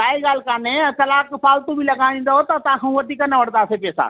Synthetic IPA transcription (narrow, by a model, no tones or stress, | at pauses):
aːeɡaːlkaːnek̪ɐlaːkpʰaːlt̪ũbʱilɐɡãĩnd̪aɦot̪at̪ãkʰãũʋɐt̪ikanɐʋəɽd̪aːsepɛːsa̰ː